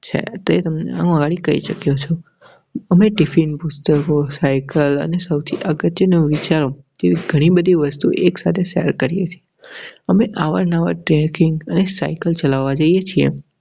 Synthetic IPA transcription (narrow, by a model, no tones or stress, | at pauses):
t͡ʃʰḛt̪et̪əmnḛã̰ũəɡaɽikəḭʃəkjot͡ʃʰo | əmeʈifinpʊst̪əkosajkələ̰nesəwt̪ʰiʔəɡət̪jənoʋit͡ʃaɾo | d͡ʒeʋiɡʱəɽ̃ibəd̪ʱiʋəst̪ṵʔeksat̪ʰeʃeəɾkəɾijet͡ʃʰieəmeʔaʋəɾnaʋa̰ʈɾekɪŋɡənesaikəlt͡ʃəlaʋːad͡ʒəijet͡ʃʰiḛ